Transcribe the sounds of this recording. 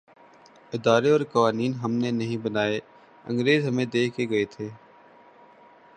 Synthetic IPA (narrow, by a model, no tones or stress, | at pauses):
ɪd̪aːɾeɔːɾkɐʋaːniːnɦɐmnenɐɦĩbɐnaːe | ɐ̰̃ŋɡɾeːzɦɐmẽd̪eːkʰkeɡɐet̪ʰeː